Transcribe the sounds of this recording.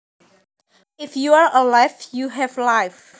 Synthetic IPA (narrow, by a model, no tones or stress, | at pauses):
ɪfjuaɹʔəlajfjuɦɛvlaɪf